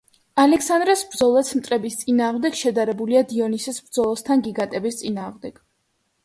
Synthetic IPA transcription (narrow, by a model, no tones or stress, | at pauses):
alɛkʰsand̪ɾɛsbɾdzɔlˠɛt̪sʰmt̪ʼɾɛbist̪sʼinaːʁmd̪ɛɡʃɛd̪aɾɛbuliad̪iɔnisɛsbɾd̪zɔlˠɔst̪ʰanɡiɡat̪ʼɛbist̪sʼinaːʁmd̪ɛɡ̥